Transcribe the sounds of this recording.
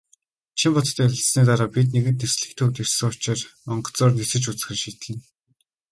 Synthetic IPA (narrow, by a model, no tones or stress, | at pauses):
t͡ɕʰimpɔt͡s̪t̪ʰːæɾʲɪ̆ɬsniːt̪̬aɾaːpit̪̬niɣɘ̆nt̪̬nesɮɘ̆kt̪ʰɵkt̪ersɘ̆ŋʊt͡ɕɪ̆rmɔɴɢɞ̥̆ɬt͡sʊːrnesɘ̆t͡ɕut͡s̆xɘ̆rʃiːt̪ɮɘ̆n